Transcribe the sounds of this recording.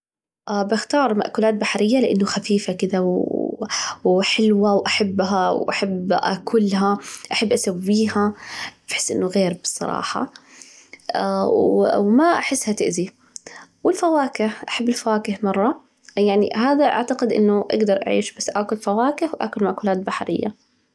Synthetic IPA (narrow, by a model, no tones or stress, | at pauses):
ʔabɪxt̪ɑːɾˤma̰ʔkʊːlaːt̪̚baħɾɪjːalɪʔanːʊxafiːfakɪd̪aw | wħɪlwawʔaħabːɦawʔaħabːʔa̰kʰʊlɦaʔaħabːʔasawːiːhab̥ħɪ̥sːʔɪ̰nːʊɣeːɾbɨsˤːɑ̰ɾˤɑ̰ːħɑ̰ | wwmaʔaħɪsːhat̪ɪʔzi | wɪlfawaːkɪhʔaħabːɪlfawaːkɪhmɑrˤːɑ | jaʕnḭɦaːðaʔa̰ʕt̪aqɪd̪ʔɪ̰nːʊʔa̰ɡd̪ɑɾˤʔa̰ʕḭːʃbasːʔaːkʊlfawaːkɪhwʔa̰ːkʊlmaʔkʊlaːt̪̚baħɾɪ̰jːa̰